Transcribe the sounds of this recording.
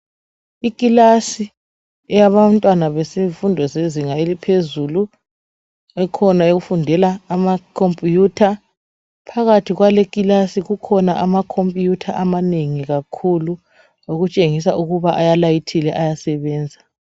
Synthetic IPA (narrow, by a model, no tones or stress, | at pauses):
ikʼilasi | ɛjaβantʼwanaβɛseɱfundʱɔzeziŋaelipʰezulu | ɛkʰɔnaeɣufundʱɛlaːmakʰompʼijutʰa | pʰaɣatʰiɣwalekʼilasiɣukʰɔnaʔamakʰompʼijutʰaʔamaneŋiɣakʰulu | oɣut͡ʃʼeŋis̬auɣuβaʔajalajitʰilɛʔajasɛβɛːnd͡zʱa